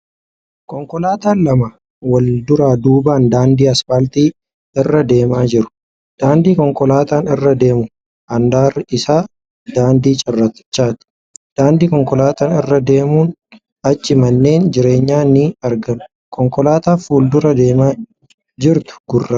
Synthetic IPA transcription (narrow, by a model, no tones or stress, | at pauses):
kʼɔŋkɔlaːt̪aːnlɐmɐ | wɐld̪ʊɾaːd̪uːbaːnd̪aːnd̪iːɐsfalt̪iː | ɪrːɐd̪e̞ːmaːd͡ʒɪɾʊ̥ | d̪̥aːnd̪iːkɔŋkɔlaːt̪aːnɪrːɐd̪e̞ːmʊ | ʔɐnd̪aːrɪsaː | d̪aːnd̪iːt͡ʃʼɪrːɐt̪ɪ̥t͡ʃːaːt̪ʊ̥ | d̪̥aːnd̪iːkɔŋkɔlaːt̪aːnɪrːɐd̪e̞ːmuːn | ɐt͡ʃːɪmɐnːe̞ːnd͡ʒɪɾe̞ːɲːaːnɪɐɾɡɐnʊ̥ | kʰʼɔŋkɔlaːt̪aːfuːld̪ʊɾɐd̪eːmaː | d͡ʒɪɾt̪ʊ̥ɡ̥ʊrːa